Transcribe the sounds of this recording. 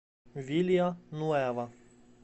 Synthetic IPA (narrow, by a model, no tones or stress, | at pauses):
ʋʲilʲijɐnuɛʋɐ